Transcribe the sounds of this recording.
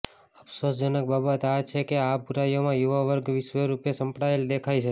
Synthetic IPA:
əpsosd͡ʒənək̚babət̪eat͡ʃʰekeabʱuɾajomãjuʋaʋəɾɡʋɪʃʋəɾupjesə̃mpɽaeld̪ekʰajt͡ʃʰe

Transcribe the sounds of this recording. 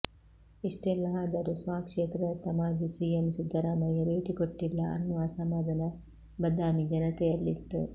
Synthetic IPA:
iʂʈɛlːɐaːd̪ɐɾusʋaːkʂeːt̪ɾɐt̪ɐmaːd͡ʒisiemsid̪ʱːɐɾaːmɐjɐɾeːt̪ikoʈːilːɐɐ̰nːuʋaːsɐmɐːd̪ɐnɐ | bɐd̪aːmid͡ʒɐnɐt̪ɛjɐlːit̪ːṵ

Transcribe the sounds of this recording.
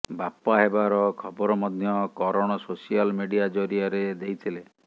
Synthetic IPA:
bapaɦebaɾɔkʰɔbɔɾɔmɔd̪ʱjɔkɔɾɔɽ̃ɔsosialmiɖijad͡ʒoɾiaɾed̪ejt̪ʰile

